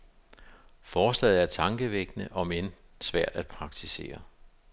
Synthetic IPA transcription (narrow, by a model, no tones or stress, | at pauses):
fɒːslɛ̰ːð̩ˠæɐt͡sʰɑ̈ŋɡ̥əʋeɡ̥nəʔɒ̽men | sʋæɐ̰d̥æd̥̚pʰʁɑ̈ɡ̥̚t͡sʰise̝̰ːɐ